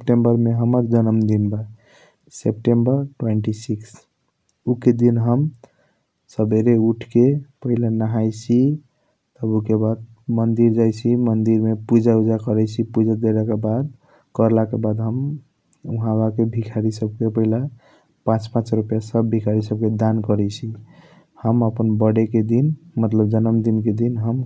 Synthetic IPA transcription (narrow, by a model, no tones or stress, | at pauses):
sepʈembəɾmeɦəməɾd͡ʒənəmd̪inba | sep̚ʈembəɾʈweɳʈisiks | uked̪inɦəm | səbʱeɾeuʈʰkepəɦilanaɦajt͡ʃʰi | t̪əbukebad̪̚ | mənd̪iɾd͡ʒajt͡ʃʰimənd̪iɾmepud͡ʒaud͡ʒakəɾɛt͡ʃʰipud͡ʒad̪elakebad̪̚ | kəɾlakebad̪ɦəm | uɦãbakebʱikʰaɾisəb̚kepəɦila | pãt͡ʃpãt͡ʃɾupjasəbbʱikaɾisəb̚ked̪ankəɾɛt͡ʃʰi | həməpənbəɽeked̪inmət̪ləb̚d͡ʒənəmd̪inked̪inɦəm